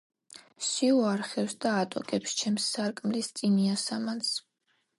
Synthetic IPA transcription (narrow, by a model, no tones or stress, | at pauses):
siuaɾχɛwsd̪aːt̪ʼɔkʼɛpst͡ʃʰɛmsːaɾkʼmlist̪sʼiniasamans